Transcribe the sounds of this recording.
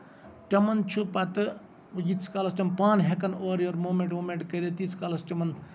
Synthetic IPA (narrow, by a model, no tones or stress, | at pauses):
ʈɐmɐnt͡ʃʰupɐt̪ɨ | ʋɐjit̪sʰkaːlɐsʈʲɐmpaːnɦekɐnoːɾjoɾmoːmẽɳʈmoːmeɳʈkɐɾʲet̪iːt͡sʰkaːlɐsʈʲɐmɐn